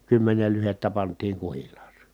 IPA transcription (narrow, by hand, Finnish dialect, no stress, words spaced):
kymːenel lyhetːæ pɑntˑiːŋ kuhilˑɑːse̥